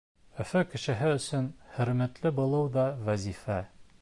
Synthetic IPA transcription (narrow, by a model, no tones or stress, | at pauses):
ɵ̆fɵkɘ̆ʃɘ̆ɦɘɵ̆sɵnhɵ̆ɾmæt̪lɘbŭlˠɤwðɒvæzifæ